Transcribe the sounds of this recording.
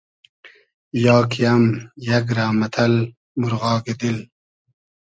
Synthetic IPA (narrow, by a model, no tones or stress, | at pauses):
jɑːkijɐmjɐɡɾaːmɐt̪ʰɐl | muɾɣɑːɡed̪il